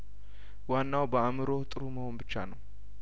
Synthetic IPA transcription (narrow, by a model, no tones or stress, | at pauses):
wanːawbəamɨɾo̞ht̪ʼɨɾuməho̞nbɨt͡ʃːanəw